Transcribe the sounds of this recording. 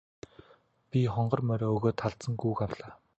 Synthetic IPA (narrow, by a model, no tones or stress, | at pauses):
pʲiχɔɴɢɞ̆rmœɾeɵɣoːt̪ʰːaɮt͡sə̆ŋɡuːkawɮaː